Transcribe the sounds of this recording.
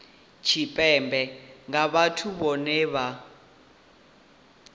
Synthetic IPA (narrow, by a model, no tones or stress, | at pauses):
t͡ʃʰipʼɛmbʱɛŋaβatʰuβɔnɛːβa